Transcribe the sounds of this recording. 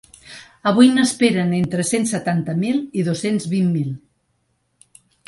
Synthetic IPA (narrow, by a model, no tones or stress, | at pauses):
əβ̞ujnəspeɾənent̪ɾəsensːət̪ant̪əmilˠiðosenzβimːilˠ